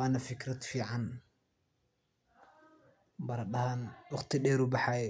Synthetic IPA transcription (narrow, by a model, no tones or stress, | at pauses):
aːnɐfɪkɾɐd̪fiːʕɑn | bɐɾɐɗɐhanwɑχt̪ʰɪɗɛːɾʊbɑħaj